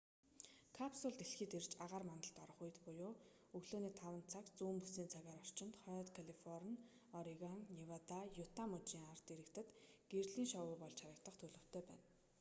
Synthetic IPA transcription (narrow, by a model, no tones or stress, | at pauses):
kʰapsʊɮt̪eɬxiːt̪ert͡ɕaʁaːrmant̪ə̆ɬt̪ɔɾɞ̆χuj̆t̪pʊjʊː | ɵɣɮoːniːt̪ʰawə̆nt̪t͡sʰakt͡suːmpusiːnt͡sʰaɣaːɾɔr̥t͡ɕɪ̆nt̪χɔːt̪kʰaɮifɔrn | ɔɾiɣaŋniwat̪ajʊt̪ʰamɵt͡ɕiːŋart̪eɾɘ̆kt̪ɘ̆t̪ɡ̥erɮiːŋʃɔwʊːpɔɮt͡ɕʰaɾə̆k̚t̪ə̆χt̪ʰɵɮɵ̆w̥t̪ʰeːpæ̰ːn